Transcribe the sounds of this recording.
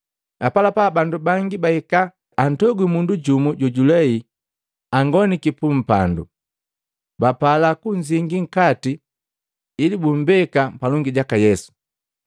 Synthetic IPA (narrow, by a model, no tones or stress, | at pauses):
apalapabandubaŋɡibaikaː | n̩tɔɡwimunduɟumuɟɔɟulɛi | aŋɡɔnikipum̩pa̰ndṵ | bapalakuɲd͡ʒiŋɡiŋ̩katiː | libum̩bɛkampalɔŋɡiɟakajɛsu̥